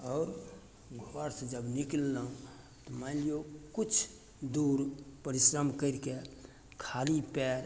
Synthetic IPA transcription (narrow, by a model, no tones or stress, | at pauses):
ɔːɾ | ɡʱoɾsd͡ʒəbniklːaũ | t̪ɔmalijokut͡ʃʰ | d̪uɾpəɾisɾəmkəɪɾke | kʰalipɛɾ